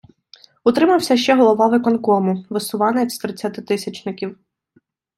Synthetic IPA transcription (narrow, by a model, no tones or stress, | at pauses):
ʊt̪ɾɪmɐwsʲɐʃt͡ʃɛɦɔlˠɔʋɑʋɪkɔnkɔmʊʋɪsʊʋɑnet̪ʲsʲt̪ɾɪt͡sʲːat̪ɪt̪ɪsʲɐt͡ʃnɪkʲiw